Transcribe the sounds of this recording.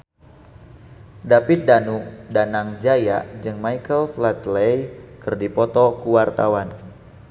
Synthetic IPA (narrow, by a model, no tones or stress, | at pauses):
dapɪt̪̚danudanaŋd͡ʒaja̰ʔd͡ʒɨŋmajkəlflat̪lejkɨrdipɔt̪ɔkuwart̪awan